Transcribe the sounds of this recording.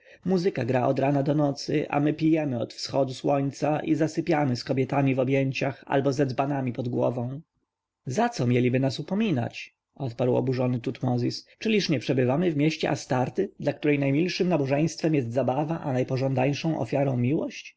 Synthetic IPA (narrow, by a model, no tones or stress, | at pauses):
muzɘkaɡɾaʔɔd̪ɾanad̪ɔnɔt̪sɘ̰ʔa̰mɘpʲijɛmɘɔt̪fsxɔd̪uswɔɲt̪saʔizasɘpʲjamɘskɔbʲjɛt̪amʲivɔbʲjɛɲt͡ɕaxa̰lbɔzɛd̪zbanamʲipɔd̪ɡwɔ̰vɔ̃w̃ | zat̪sɔmʲjɛlʲibɘnasupɔmʲina̰t͡ɕ | ɔt̪paɾwɔ̰buʐɔnɘt̪ut̪mɔzʲist͡ʂɘlʲiʂɲɛpʂɛbɘvamɘvmʲjɛɕt͡ɕɛ̰ʔast̪aɾt̪ɘd̪lakt̪uɾɛjnajmʲilʂɘmnabɔʐɛj̃st̪fɛmjɛst̪zabavaʔanajpɔʐɔ̃nd̪aɲʂɔ̃w̃ʔɔ̰fʲjaɾɔ̃w̃mʲiwɔɕt͡ɕ